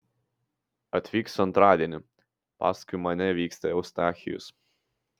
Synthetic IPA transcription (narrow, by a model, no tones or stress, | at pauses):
ɐt̪ʲʋʲiːksɐnt̪ɾɑːd̪ʲiɛnʲɪ | pɑ̰ːskʊɪmɐnʲɛʋʲiːksʲt̪ɐɛʊst̪ɑːxʲɪjʊ̰s